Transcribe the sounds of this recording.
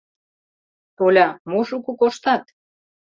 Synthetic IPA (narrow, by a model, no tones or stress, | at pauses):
t̪olʲɑmoʃukukoʃt̪ɑt̪̚